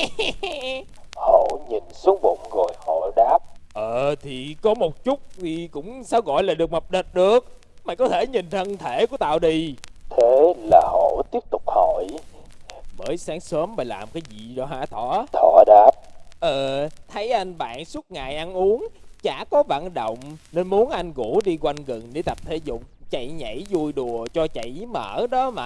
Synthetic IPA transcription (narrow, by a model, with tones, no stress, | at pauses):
ho̰˧˨ɲi˨˩nsu˨˦ŋɓʊ̰˧˨ŋ͡mɣo˨˩jho̰˧˨ɗaː˦˥p̚ʔəː˨˩t̪ʰi˨˩kɔ˨˦mo˨˩t̚t͡ɕʊ˦˥t̚t̪ʰi˨˩kʊ̰˧˥ŋ͡msaː˨˧˦wɣɔ̰˧˨jlaː˨˩ɗɨ˨˩ək̚mə˨˩p̚ɗə˨˩t̚ɗɨ˨˩ək̚ | maː˨˩kɔ˨˦t̪ʰe˧˩ɲi˨˩n̟t̪ʰə˧nt̪ʰe˧˩ku˧˩ət̪a̰ː˧˨wɗi˨˩t̪ʰe˨˦laː˨˩ho̰˧˨t̪i˦˥əp̚t̪ʊ˨˩k͡p̚ho˧˨j | məː˨˦jsaː˨˦ŋsəː˨˦mvəː˨˩jlaː˨˩m˩kaː˨˦jzḭ˧˨zɔ˧˩ɦaː˧˩t̪ʰɔ˧˩˨t̪ʰɔ˧˩ɗaː˨˦˥p̚ʔəː˨˩t̪ʰə˨˦jʔa˧jŋ̟ɓa̰ː˧˨nsu˦˥t̚ŋaː˨jʔa˧nʔu˨˦əŋt͡ɕaː˧˩kɔ˨˦va̰ː˧˨nɗo̰˧˨wŋ͡mne˧nmu˨˦ənʔa˧jŋ̟ɣu˧˩˦ɗi˧kwa˧ŋɣə˨˩ŋɗe˧˦t̪a˨˩p̚t̪ʰe˧˦zʊ̰˧˨ŋ͡m̚t͡ɕa̰˧˨jɲə̰˧˩˦jzu˧˩jɗu˨˩ət͡ɕɔ˧t͡ɕa̰˧˨jmə̰ː˧˩˥ɗɔ˨˦maː˨˩